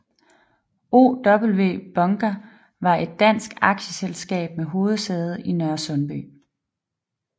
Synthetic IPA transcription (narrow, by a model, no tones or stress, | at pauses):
o̝̰ːd̥ɒ̽b̥l̩ʋe̝̰ːb̥ɒ̽ŋɡ̥æ | ʋɑ̈e̝d̥̚ːæn̰sɡ̥ɑ̈ɡ̥ɕəselsɡ̥ɛ̰ːb̥meɦo̝ːð̞̩ˠseːð̞̩ˠinœɐsɔ̽nb̥y̰ː